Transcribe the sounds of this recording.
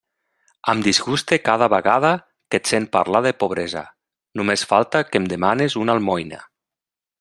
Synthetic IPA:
əmd̪izɣust̪ekað̞aβəɣað̞a | ket̪sen̚pa̰ɾlaðepoβɾeza̰ | numesfalˠt̪akemd̪emanezunalˠmɔjna̰

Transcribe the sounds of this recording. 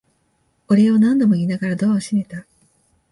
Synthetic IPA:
oɾe̞o̞nãnd̪o̞mo̞iːnaɡaɾad̪o̞oɕine̞t̪a

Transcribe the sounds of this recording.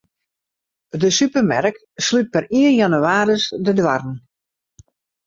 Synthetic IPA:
dəsypərmɛrk | slyt̚pɛriənjanyaːɾəsdədwarn̩

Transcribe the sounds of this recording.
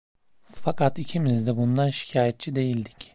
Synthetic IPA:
fakʰat̪icʰimizd̪ɛbund̪anʃi̥cʰaːjɛt̪̚t͡ʃʰid̪e̞jilʲd̪ic

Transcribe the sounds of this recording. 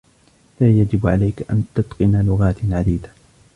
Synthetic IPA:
laːjad͡ʒɪbʕa̰lajkaʔa̰nt̪ʊt̪qɨnalʊɣaːt̪ʕad̪iːd̪ḁ

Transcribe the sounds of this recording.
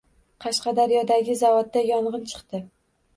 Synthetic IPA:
qʰɑʃqɑd̪aɾjɒd̪aɡʲɪzavɒt̪̚ːajɒɴʁɨnt͡ʃʰɨ̥qt̪ɪ

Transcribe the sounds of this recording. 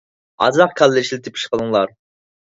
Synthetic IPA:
ɑ̰zɑqkʲʰɑlːɪʃilɪt̪ʰɪpʰi̥ʃqəlˠɨŋlˠɑɾ

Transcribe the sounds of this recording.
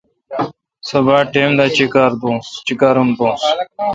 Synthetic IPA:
sɐbaːʈeːmd̪aːt͡ɕikaːɾd̪õːst͡ɕikaːɾumd̪õːs

